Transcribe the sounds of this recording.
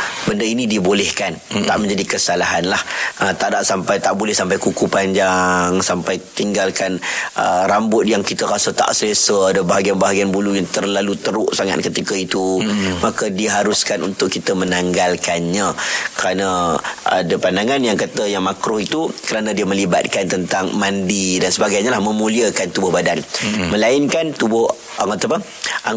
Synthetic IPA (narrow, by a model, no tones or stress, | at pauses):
bəndəinĩdibolɛhkant̪a̰ʔmə̃ɲd͡ʒadikəsalaɦanlahət̪aʔdaʔsampajt̪aʔbolɛhsampajkukupaɲd͡ʒaŋsampajt̪iŋɡalkanʔə̰ɾambʊt̪̚jaŋkit̪əkasət̪a̰ʔsəlesəadəbaaɡianbaɦaɡianbulujaŋt̪ərlalut̪əɾʊʔsaŋa̰t̪̚kət̪ikəit̪umakədiɦaɾʊskanunt̪ʊkːit̪əmənaŋɡalkanɲãkəɾanaa̰dəpandaŋanjaŋkat̪əjaŋmakɾʊhit̪ukəɾanãdiəmə̃liba̰t̪̚kant̪ənt̪aŋmandidansəbaɡajɲalahmə̃mũliəkant̪ubʊhbadanmə̃lainkant̪ubʊh | at̪apə | a